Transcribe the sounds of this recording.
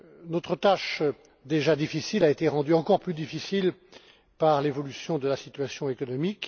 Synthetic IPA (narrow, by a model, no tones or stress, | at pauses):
nɔt̪χət̪aʃ | d̪eʒad̪ifisilaet̪eʁɑ̃d̪yɑ̃kɔʁplyd̪ifisil | paʁlevɔlysjɔ̃d̪əlasit̪ɥasjɔ̃ekɔnɔmik